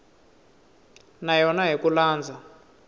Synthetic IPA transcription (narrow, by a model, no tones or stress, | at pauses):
najɔnaɦikulaːnd͡zʱa